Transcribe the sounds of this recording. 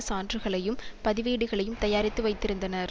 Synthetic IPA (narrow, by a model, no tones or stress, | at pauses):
saːndrɯɣɐɭɐjɯmpɐðɪʋeːɽɯɣɐɭɐjɯmt̪ɐjaːɾɪt̪ːɯʋɐɪt̪ːɪɾɯnd̪ɐnɐɾ